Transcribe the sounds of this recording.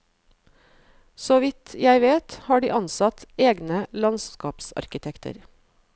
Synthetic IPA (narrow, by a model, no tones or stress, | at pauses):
soːʋɪt̪jæɪʋeːt̪hɑːɖḭːʔɑnsɑt̪eːɡnəlɑnskɑːpsɑ̰ɾkɪt̪ʰɛkt̪ə̰ɾ